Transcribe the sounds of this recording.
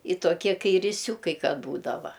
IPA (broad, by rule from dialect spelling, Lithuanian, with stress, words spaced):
ɪ toːˈkʲiɛ ˈkɐɪ ɪrʲɪˈsʲuːkɐɪ kɐ ˈbuːdɐʋɐ